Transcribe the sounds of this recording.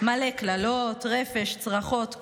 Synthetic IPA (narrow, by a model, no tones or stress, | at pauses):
maleklalot̪ʁe̞feʃt͡sʁaχo̞t̪